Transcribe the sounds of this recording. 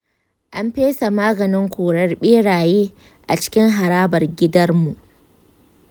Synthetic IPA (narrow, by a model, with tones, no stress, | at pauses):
ʔa˦mɸeː˦sa˨maː˦ɡɐ˨nɪ˦ŋkʷoː˨ɽɐ˦rɓeː˦ɽaː˨jeː˦ | ʔa˨t͡ʃɪ̥˦kʲɪ˦ŋɦa˨ɾaː˦bɐ˨rɡʲɪ˦dɐ˦rmu˨ʔ